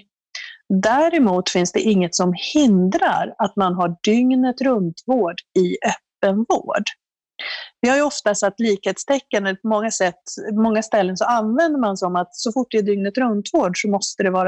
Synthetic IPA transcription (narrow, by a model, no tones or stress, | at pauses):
d̪æɾɪmuːt̪fɪnsd̪ɛʔɪŋːət̪sɔmhɪnd̪ɾa̰ɾat̪manɦaɖʏŋnət̪ɾɵnt̪ʰvoːɖɪœpːənvo̰ːɖ | vɪhaɾjɵɔft̪asat̪ːliːkheːt̪st̪ʰɛkːənɛlpʰɔmɔŋːasɛt̪ːmɔŋːast̪ɛlːənsɔanvɛnd̪əmansɔmat̪sɔfʊʈ̚ːd̪ɛæɖʏŋnət̪ɾɵnt̪voːɖʂɔmɔst̪əd̪ɛvɑːɾa